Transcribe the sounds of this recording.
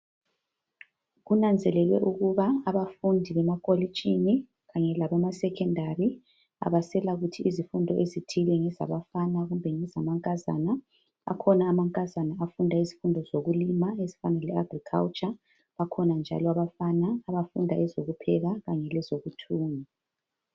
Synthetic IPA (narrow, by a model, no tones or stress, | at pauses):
ɣunand͡zʱɛlɛlwɛʔuɣuβaːβafundʱiβɛmakʼoli̥t͡ʃʼini | ɣaɲɛlaβamasɛkʰɛndʱari | a̰βasɛlaɣutʰiʔizifundʱɔʔezitʰilɛŋɛza̰βafanaɣumbʱɛŋɛzamaŋkʼaza̰na | a̰kʰɔnaːmaŋkʼazanaafundʱaizifundʱɔzoɣulimaezifanalɛaɡrikʰa̰lt͡ʃʼa | βakʰɔnand͡ʒʱa̰lɔaβafanaːβafundʱaɛzoɣupʰɛɣaɣaɲɛlɛzoɣutʰuːŋi